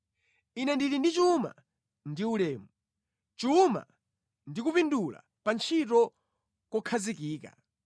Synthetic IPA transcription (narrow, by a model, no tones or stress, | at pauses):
inɛndilindit͡ʃuma̰ | ndiulɛːmu | t͡ʃuma̰ | ndikupindula̰ | pant͡ʃʰitɔ | kɔkʰazikiːka̰